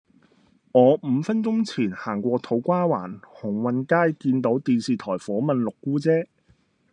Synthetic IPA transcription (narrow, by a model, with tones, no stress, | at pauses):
ŋɔː˨˧m̩ː˨˧fɐ˥nt͡sʊ˥ŋt͡sʰiː˨˩nhaː˨˩ŋkʷɔː˧t̪ʰo˨˥wkʷaː˥wa̰ː˨˩nhʊ˨˩ŋwɐ˨nkaː˥jkiː˧nt̪o˨˥wt̪iː˧nsiː˨t̪ʰɔː˨˩jfɔː˨˥mɐ˨nlʊ˨kːuː˥t͡sɛː˥